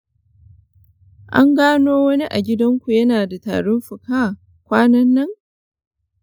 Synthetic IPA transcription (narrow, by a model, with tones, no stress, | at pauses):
ʔa̰˦ŋɡaː˦noː˦wɐ˦ni˦ʔa̰˨ɡʲɪ˦dɐ˦ŋkʷu˨jɐ˦naː˨da˨ta̰ː˨ɽʊ˦nɸʊ˨kaː˦˨ | kʷaː˦nɐ˦nːɐ˦ŋ